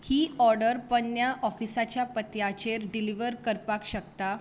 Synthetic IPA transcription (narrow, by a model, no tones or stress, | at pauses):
hiːɔɾɖəɾpənjaʔɔfisat͡ɕjapət̪jat͡ɕeɾɖiliʋəɾkəɾpakɕəkt̪a